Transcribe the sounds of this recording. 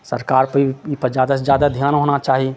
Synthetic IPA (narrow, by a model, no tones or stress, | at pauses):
səɾkaːɾpəipəd͡ʒjaːd̪asd͡ʒjaːd̪ad̪ʱjaːnɦoːnat͡ʃaːɦie